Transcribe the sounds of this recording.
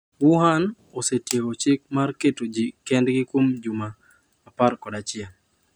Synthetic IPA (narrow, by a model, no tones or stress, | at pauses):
wuɦan | osetjekot͡ʃɪk̚marketod͡ʒikɛndɡɪkwomd͡ʒumaː | parkɔdat͡ʃɪa